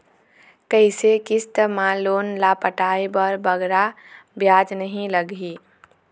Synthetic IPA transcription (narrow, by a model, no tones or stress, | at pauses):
kəisekɪst̪maloːnlapəʈaːebəɾbəɡɾa | bjaːd͡ʒnəɦĩləɡi